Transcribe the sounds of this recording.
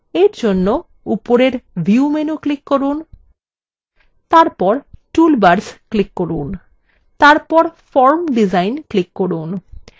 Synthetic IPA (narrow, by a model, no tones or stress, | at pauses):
eɾd͡ʑonːo | upoɾeɾbʱiumenuklikːoɾun | t̪aɾpɔɾʈulbaɾsklikːoɾun | t̪aɾpɔɾfɔɾmɖizajnklikːoɾun